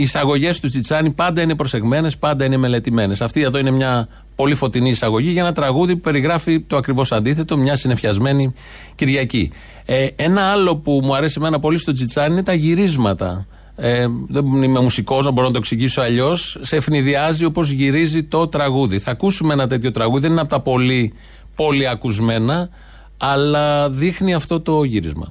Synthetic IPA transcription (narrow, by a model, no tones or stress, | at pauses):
iːsɐɣo̞ʝe̞st̪ut͡sit͡sɐnipɐnd̪ɐine̞pɾo̞se̞ɣme̞ne̞spɐnd̪ɐine̞me̞let̪ime̞ne̞sɐft̪ieðo̞ine̞mɲɐ | po̞lifo̞t̪iniːsɐɣo̞ʝiʝɐenɐt̪ɾɐɣuðiupe̞ɾiɣɾɐfit̪o̞ɐkɾivo̞sɐnd̪iθe̞t̪o̞mɲɐsine̞fçɐzme̞ni | ciɾʝɐcḭ | ee̞nɐɐlo̞pumuɐɾe̞sime̞nɐpo̞list̪o̞t͡sit͡sɐniine̞t̪ɐʝiɾizmɐt̪ɐ̰ | eðeime̞musiko̞znɐbo̞ɾonɐt̪o̞ksiʝisoɐʎo̞sse̞fniðiɐzio̞po̞zʝiɾizit̪o̞t̪ɾɐɣuðiθɐkusumeenɐt̪̬e̞t̪çot̪ɾɐɣuðiðeninɐpot̪ɐpo̞li | po̞liɐkuzme̞nɐː | lɐðixniɐft̪o̞t̪o̞ʝiɾḭzmɐ̰